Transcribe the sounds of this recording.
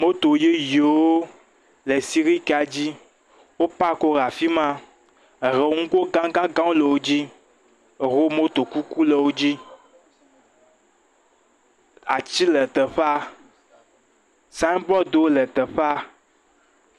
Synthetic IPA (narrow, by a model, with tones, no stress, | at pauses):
mo˦t̪o˨je˦je˨wo˦ | le˨si˦ɣi˦ka˨d͡ʑi˦ | wo˦pa˦ko˦ɾa˨fi˦mã˦˨ | ɦe˨˦ŋũ˦ko˦ɡã˦ɡã˦ɡã˦wo˦le˨wo˦d͡ʑi˦˨ | ɦo˦mo˦t̪o˨ku˦ku˦le˨wo˦d͡ʑi˦ | a˨t͡ɕi˦lɛ˨t̪ə˨ɸa˦ | sa˦nbɔ˦d̪e˨wo˦lɛ˨t̪ə˨ɸa˦